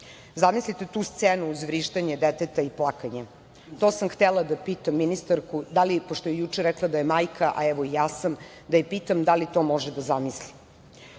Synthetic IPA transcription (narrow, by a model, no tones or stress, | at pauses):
zamislit̪et̪uːst̪seːnuːzʋɾiːʃt̪aɲed̪et̪et̪aiplˠakaɲe | t̪oːsamxt̪elˠad̪apit̪amːinist̪aɾkud̪alipoʃt̪ojejut͡ʃeɾɛklˠad̪ajemajkʰaʔaɛʋoijaːsam | d̪ajepit̪amd̪alit̪o̞moʒed̪azamisli